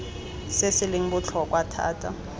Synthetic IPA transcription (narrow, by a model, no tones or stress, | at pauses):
sesɪliŋ̩kut͡ɬʰɔk̬ʼwatʰa̰ːtʰʼa̰